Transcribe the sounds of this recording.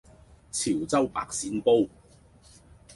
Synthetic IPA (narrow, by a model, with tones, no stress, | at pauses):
t͡sʰiː˨˩wt͡sɐ˥wpa̰ː˧k̚siː˨˧npo˥w